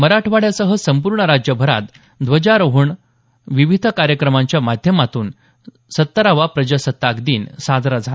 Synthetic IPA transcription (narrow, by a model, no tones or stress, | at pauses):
məɾaʈʰʋaɽjasəɦəsəmpuɾɳəɾad͡ʑjəbʱəɾa̰t̪ | d̪ʋəd͡ʑaɾoɦuɳ | ʋiʋid̪ʱəkaɾjəkɾəmãɲt͡ɕjamad̪ʱjəmat̪uːn | sət̪ːəɾaʋapɾəd͡ʑəsət̪ːakd̪iːnsad̪ʱɾad͡zʱa